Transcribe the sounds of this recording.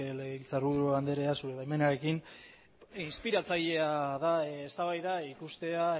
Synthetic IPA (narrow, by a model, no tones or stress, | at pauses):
leɣeilt͡saruðoand̪eɾe̞asuɾeβajmenaɾe̞kin | inspiɾat͡saʎe̞aðaest̪aβajðaikust̪e̞a